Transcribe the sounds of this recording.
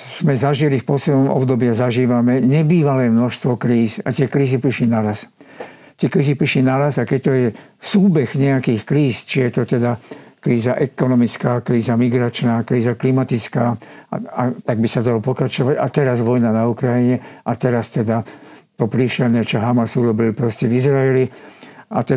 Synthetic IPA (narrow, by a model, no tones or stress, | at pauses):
z̥mɛzaʒilifpɔslɛd̪nɔmʔɔ̰bd̪ɔbɪazaʒiːʋamɛɲɛbiːʋalɛːmnɔʃst̪ʋɔkɾiːsa̰t̪ɪɛkɾiːzipɾiʃinaɾas | t̪ɪɛkɾiːzipɾiʃlinaɾasakɛct̪ɔjɛ | suːbɛxɲɛakiːxkɾiːst͡ʃijɛt̪ɔt̪ɛd̪akɾiːzaʔɛkɔnɔmit͡skaːkɾiːzamiɡɾat͡ʃnaːkɾiːzaklimat̪it͡skaːat̪aɡ̚bisad̪alɔpɔkɾat͡ʃɔʋaɟa̰t̪ɛɾazʋɔjnanaukɾajiɲɛat̪ɛɾast̪ɛd̪a | t̪ɔpɾiʃɛlnɛt͡ʃɔɦamasuɾɔbilpɾɔscɛvizɾaɛlia̰t̪ɛ